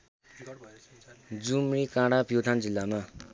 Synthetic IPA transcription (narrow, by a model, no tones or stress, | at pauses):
d͡zumɾikãɽapjot̪ʰand͡zilːama